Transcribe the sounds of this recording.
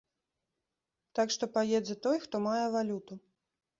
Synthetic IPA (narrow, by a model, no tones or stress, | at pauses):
t̪akʂt̪ɔpajɛd͡z̪ʲɛt̪ɔjxt̪ɔmajɛvalʲut̪u